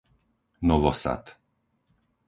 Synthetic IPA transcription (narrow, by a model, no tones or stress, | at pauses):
nɔvɔsa̰t̪